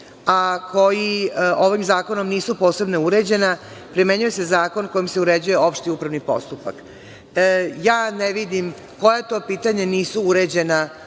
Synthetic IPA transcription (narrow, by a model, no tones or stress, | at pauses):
akʰo̞jioʋimzaːko̞no̞mniːsupo̞ːse̞bnouɾe̞d͡ʑe̞na | pɾime̞ɲuje̞se̞zaːko̞nko̞jimse̞uɾed͡ʑuje̞o̞pʃt̪iupɾaʋnipo̞̰st̪upa̰k | jaːneʋid̪im | ko̞jet̪o̞ːpiːt̪aɲe̞niːsuuɾed͡ʑe̞na